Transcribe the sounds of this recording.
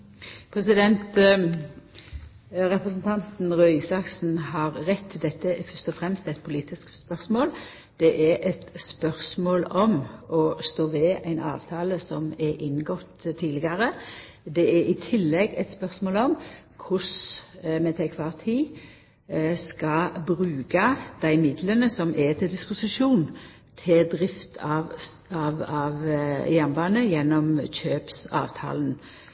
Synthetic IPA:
pʰʁɛsɪd̪ɛnt̪ | ɾɛpɾəsnt̪ʰɑnt̪n̩ʁœʏsɑksn̩hɑɾɾɛt̪ʰːɪld̪ɛt̪ːəfœst̪ɔfɾɛmst̪ɛt̪̚pʰʊliːt̪ɪskspœʁsmoːl | d̪̥ɛʔæɾʔɛt̪spœʁsmoːlɔmɔst̪oːʋɛæɪnɑ̰ːʋt̪ʰɑːləsɔmɛʔɪnːɡɔt̪t̪ʰːiːd̪ɪɡəɾə | d̪ɛɛɾɪt̪ʰɪlːɛɡɛ̰t̪spœʁsmoːlɔm | kʰʊsmɛt̪ʰɛkʰʋɑːʁt̪ʰiː | skɑbʁʉːkɑd̪̥æɪmɪd̪lənəsɔmʔɛt̪ʰɪld̪ɪspʊsɪʃuːn | t̪ʰɪld̪ʁɪft̪ʰɑɑʋɑʋjænbɑːnəjɛnːɔmɕøːpsɑ̰ːʋt̪ʰɑ̰ːln̩

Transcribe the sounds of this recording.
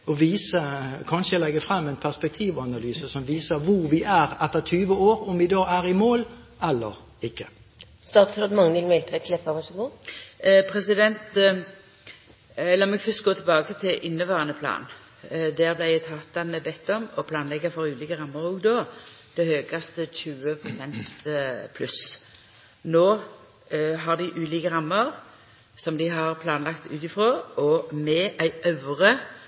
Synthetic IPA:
ɔʋiːsəkʰɑnʃəɛlɛɡːəfʁɑmːɛɪnpʰæʁspɛk̚t̪ʰiːʋɑnɑlyːsəsɔmʋiːsəʋʊʁʋɪʔæʁɛt̪ːət̪ʰyːʋəoːɾɔmʋɪd̪ɑːæʁɪmoːl | ɛlːə̰ɾ | ɪkːə | st̪ɑːt̪sɾoːd̪mɑŋːəʋɪlmɛlt̪əæɪt̪ʰlɛpːɑʋɑʂɔɡoː | pʰɾɛsɪd̪ɛnt̪ | lɑːmɛɡfœst̪̚ɡoːt̪ʰɪlbɑːɡət̪ʰɪlʔɪnːəʋɑːʁɑnəpʰlɑ̰ːn | d̪æːʁblæɪæt̪ʰɑːt̪ɑnəbɛt̪ːɔmɔpʰlɑːnlɛɡːəfɔʁʉːliːkəɾɑmːəʁuːɡd̪oː | d̪̥ɛhøːɡɑst̪əçʉːəpʰʁʊsɛnt̪pʰlʉs | noː | ɦɑʁd̪ɪʔʉːliːkəʁɑmːəʁ | sɔmd̪ɪɦɑʁpʰlɑːnlɑkt̪ʉ̰ːt̪ɪfʁoːɔmɛʔæɪœʉʁə

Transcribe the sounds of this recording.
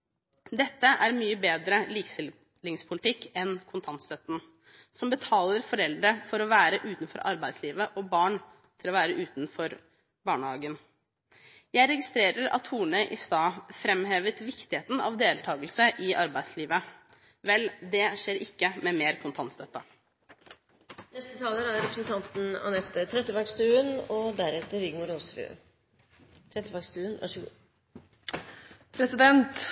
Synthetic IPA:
d̪ɛt̪ːəʔæɾmyːəbeːd̪ɾəliːkst̪ɪl | lɪŋspʰʊlɪt̪ɪkːɛnkʰʊnt̪ʰɑnt̪st̪œt̪ːn̩ | sɔmbət̪ʰɑːləɾfɔɾɛld̪ɾəfɔɾɔʋæːɾəʔʉːt̪nfɔ̰ɾʔɑ̰ɾbæɪd̪sliːʋəʔɔbɑːɳ | t̪ʰɪlɔʋæːɾəʉːt̪nfɔɾ | bɑːɳəhɑːɡən | jæɪɾɛɡɪst̪ɾeːɾəɾɑ̰t̪huːɳəʔɪst̪ɑːfɾɛmheːʋət̪ʋɪkt̪ɪheːt̪n̩ɑ̰ʋd̪eːlt̪ʰɑːɡəlsəʔɪʔɑɾbæɪsliːʋə | ʋɛld̪ɛʂeːɾɪkːəmɛmeːɾkʰʊnt̪ʰɑnt̪st̪œt̪ːɑ | nɛst̪ət̪ʰɑːləɾæɾɾɛpɾsnt̪ʰɑnt̪n̩ɑ̰nɛt̪ːət̪ʰɾɛt̪ːəbɑɡst̪ʉːənɔd̪æɾɛt̪əɾɪɡmʊɾoːsʋɪ̰ø̰ | t̪ʰɾɛt̪ːəbɑɡst̪ʉːənʋɑ̰ʂə | pʰɾɛsɪd̪ɛnt̪

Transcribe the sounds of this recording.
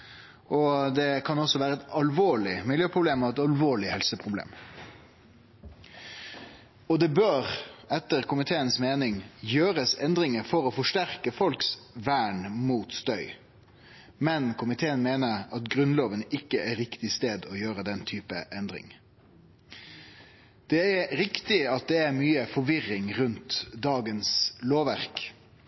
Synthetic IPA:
ʔɔd̪ɛkʰɑnɔsɔʋæːɾəɛt̪ɑlʋoːɭɪmɪljøːpʰʁʊbleːmɔɛt̪ɑlʋoːɭɪhɛlsəpʰɾʊblḛːm | ɔd̪ɛbøːʁɛt̪ːəʁkʰʊmɪt̪ʰeːənsmeːnɪŋjøːɾəsɛnd̪ɾɪŋəfɔɾɔfɔʂʈæʁkəfɔlksʋæːɳmuːt̪st̪œʏ | mɛnkʰʊmɪt̪ʰeːənmeːnəɾɑt̪ɡɾʉnloːʋənɪkːəʔæɾɪkt̪ɪst̪eːd̪ɔjøːɾəd̪ɛnt̪ʰyːpəʔɛnd̪ʁɪ̰ŋ | d̪̥ɛæɾɪkt̪ɪɑt̪̚d̪ɛæɾmyːəfɔʋɪʁɪŋʁʉnt̪d̪ɑːɡənsloːʋæʁk

